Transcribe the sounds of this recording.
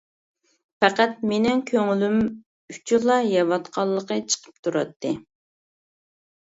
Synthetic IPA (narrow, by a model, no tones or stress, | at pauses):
fæqæt̪̚menɪŋkʲʰøŋylym | yt͡ʃʰulˠɑjɑvɑt̪qʰɑlˠːəqət͡ʃʰə̥qʰə̥p̚t̪ʰuɾɑt̪ːɨ